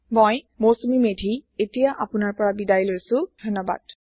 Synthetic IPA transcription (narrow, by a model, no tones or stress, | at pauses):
mɔj | mosumimedʱietijaʔapʊnaɹpɔɹabidajlojsʊ̃dʱɔnːɔba̰d̥